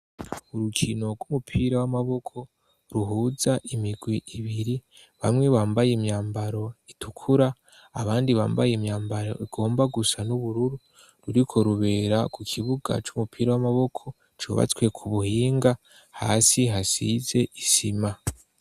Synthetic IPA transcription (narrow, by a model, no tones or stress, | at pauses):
uɾukʰino̞ɡwumupʰiːɾawamaβo̞kʰo̞ | ɾuɦuːzaʔimiɡwiʔiβiɾi | βamŋe̞βaːmbajemɲaːmbaɾo̞itʰukʰuɾaː | βaːndiβa̰ːmbajemɲaːmbaɾo̞̰ʔiɡ̥o̞ːmbaɡusanuβuɾuɾu | ɾuɾikʰo̞ɾuβe̞ːɾakukʰiβuɡa̰t͡ʃumupʰiːɾawamaβo̞kʰo̞ | t͡ʃṵːβa̰t͡swe̞kʰuβuhiːŋɡa | ha̰ːsiɦasize̞ʔisima